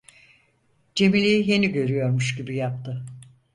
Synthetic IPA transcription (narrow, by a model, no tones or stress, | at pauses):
d͡ʒe̞milʲejije̞niɟø̞ɾyjo̞ɾmuʃɟibijap̚t̪ʰɯ